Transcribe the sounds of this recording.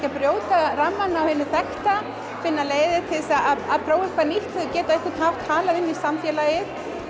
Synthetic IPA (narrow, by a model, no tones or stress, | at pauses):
kapɾjoːwt̪aɾamːanːawhɪnʏθɛxt̪a | fɪnːaleːjðɪt̪ʰɪsaaðaðpʰɾoːwɪ̥kʰvaɾnil̥t̪ʏcɛːt̪aɛhkɪt̪hav̥k̪ʰaːlaðɪnːisamfjɛlajɪθ